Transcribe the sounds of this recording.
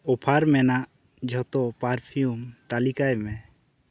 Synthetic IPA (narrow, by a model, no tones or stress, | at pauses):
ɔpʰaɾmɛnaʔ | d͡ʒʱɔt̪ɔpaɾpʰijumt̪alikajmɛ